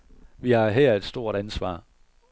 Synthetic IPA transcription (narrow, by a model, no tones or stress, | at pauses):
ʋihɑ̈ɦɛɐ̰e̝d̥sd̥o̝ɐ̰ɾ̥ænsʋɑ̰̈ː